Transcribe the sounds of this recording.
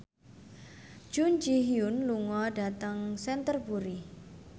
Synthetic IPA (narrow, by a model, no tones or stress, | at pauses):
ʒ̥und͡ʒiɦiʊnluŋɔɖat̪əŋsɛnt̪ərpuɾi